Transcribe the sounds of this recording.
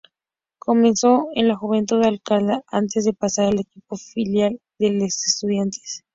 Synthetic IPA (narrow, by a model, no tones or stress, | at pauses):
kʰome̞nso̞enlaxuβ̞e̞nt̪uðealkald̪aʔant̪ezðe̞pasaɾalekipo̞filjal | d̪elosest̪uð̞jant̪ʰe̥s